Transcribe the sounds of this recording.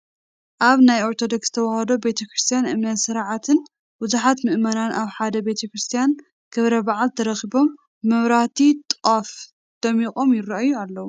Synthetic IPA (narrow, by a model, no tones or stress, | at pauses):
ʔaβnajo̞ɾt̪ʰo̞d̪o̞ksz̥ɨt̪ʰɐwahɐd̪o̞be̞t̪ʰɐkɾɨst̪ʰijanʔɨmnɐt̪sɨɾʕat̪ʰɨn | bɨzuħat̪mɨʔmɐnanʔaβħad̪ɐbe̞t̪ʰɐkɾɨst̪ʰijan | kʰɨβɾɐbaʕalt̪ʰɐɾɐxibo̞mː | ɨβɾat̪ʰit̪ʼɐf | d̪̥ɐmikʼo̞mjɪrːɐʔajːualːɐwu